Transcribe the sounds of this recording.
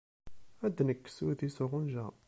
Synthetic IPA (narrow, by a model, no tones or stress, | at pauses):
æd̪nəkːsuθisʊʁʊnʒæ